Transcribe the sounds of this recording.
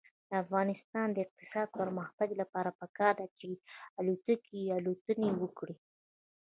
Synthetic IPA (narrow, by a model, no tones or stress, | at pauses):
d̪̥əafɣɑnɪst̪ɑnd̪əɪq̚t̪ɪ̥sɑd̪̚pəɾmahbad̪ilapɑɾapəkɑɾd̪at͡ʃealut̪əkialot̪ənewəkɽi